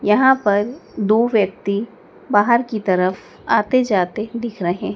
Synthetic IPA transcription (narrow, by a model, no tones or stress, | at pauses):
jɐɦãpɐɾd̪oːʋjɐk̚t̪i | baːɦəɾkit̪ɐɾəf | aːt̪ed͡ʒaːt̪ed̪ɪkʰɾɐɦẽɦɛ̃